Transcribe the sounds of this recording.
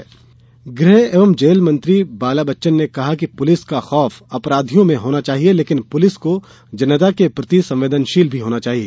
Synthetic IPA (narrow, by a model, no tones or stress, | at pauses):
ɡɾeɦeːʋəmd͡ʒeːlmɐ̃nt̪ɾibaːlabɐtːʃənːekɐɦak̬ipʊlɪskaxɔːfɐpɾaːd̪ʱijõmẽɦoːnat͡ʃaːɦieleːkɪnpʊlɪsko | d͡ʒɐnət̪akepɾɐt̪isɐ̃mʋeːd̪ənʃiːlbʱiɦoːnat͡ʃaːɦieː